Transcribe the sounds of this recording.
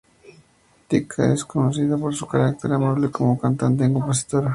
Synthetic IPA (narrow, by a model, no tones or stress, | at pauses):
t̪ikʰa̰eskonoθiðapoɾsukaɾak̚t̪eɾamoβlekomokant̪ant̪̬eŋkomposi̥t̪oɾa